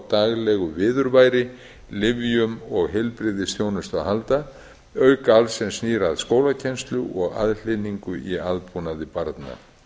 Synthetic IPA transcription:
t̪aɣlɛɣʏvɪːðʏɾvajɾɪ | lɪvjʏmɔɣɦɛlpɾɪðɪsθjownʏst̪awhalt̪a | œɥkaalsɛmsniːɾaðskoːwlacʰɛnst̪lʏʔɔɣa̰ðl̥ɪniŋkʏʔiaðpunaðɪpaɾt̪na̰

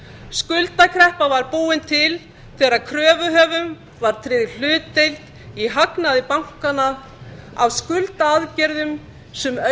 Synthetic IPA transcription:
skʏlt̪akʰɾɛhpavaɾpuːɪnt̪ʰɪl | θɛːɾaðkʰɾœːvʏɦœːvʏm | vaɾ̥t̪ʰɾɪːðɪ̥l̥ʏːt̪ːejlt̪ | iɦaknaðɪpawŋ̥kana | a̰wskʏlt̪aaðcɛɾðʏm | sɛmœ

